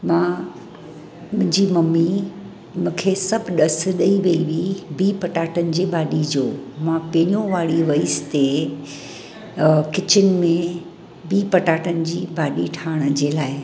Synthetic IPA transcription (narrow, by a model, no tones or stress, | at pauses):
mãː | mʊ̃ɦɪ̃ɲd͡ʑimɐmi | mũːkʰesɐbʱɗɐs̆ɗɐiʋɐiʋibiːpɐʈaːʈənɪ̆d͡ʑeːbaːɗid͡ʑoːmãpẽːɲõʋaːɽiʋɐist̪e | kɪt͡ɕɪnɪ̆mẽ | biːpɐʈaːʈənɪ̆d͡ʑiːbaːɗiʈʰaːɪɽ̃d͡ʑeːlaːɪ